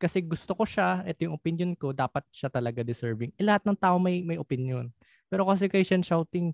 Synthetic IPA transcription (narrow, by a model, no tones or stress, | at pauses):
kɐsɛɡʊst̪oko̞ʃaʔɛt̪ojʊŋʔopɪnjonko̞d̪aːpɐt̪̚ʃat̪ɐlɐɡad̪ɪsɛɹvɪŋʔɛlɐhat̪nɐŋt̪aːʔoŋmɐjmɐjʔopɪnjon | pɛːɾokɐs̬ɛkɐjʃɐnʃawt̪ɪŋ